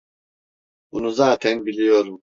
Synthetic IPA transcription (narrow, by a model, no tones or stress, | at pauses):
bunuzaːt̪ʰɛnbilʲijoɾum